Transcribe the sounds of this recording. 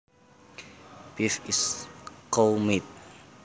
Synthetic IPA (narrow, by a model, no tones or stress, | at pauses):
b̥ifiskolmit̪̚